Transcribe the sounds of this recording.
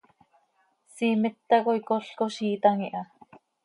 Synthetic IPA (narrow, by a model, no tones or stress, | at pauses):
siːmɪt̪ːakojkoɬkoʃiːt̪ɑŋiʔɑ